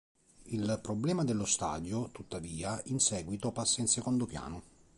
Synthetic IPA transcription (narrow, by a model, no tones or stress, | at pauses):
ilpɾoblɛːmad̪elːost̪a̰ːd̪jot̪ut̪ːaviːainsɛːɡwit̪opasːainsekond̪opja̰ːno